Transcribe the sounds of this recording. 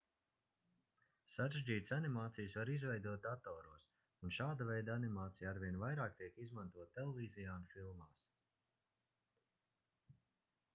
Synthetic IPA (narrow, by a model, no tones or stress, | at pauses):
saɾeʒd͡ʒiːt̪sanimaːt̪sijsvaɾizvɛjd̪uɔt̪̚at̪ɔːɾuɔs | unʃaːd̪avɛjd̪aanimaːt̪sijaaɾvʲiɛnvajɾaːk̚t̪iɛkizmãnt̪uɔt̪̚ːɛlˠevʲiːzijaːnfilˠmaːs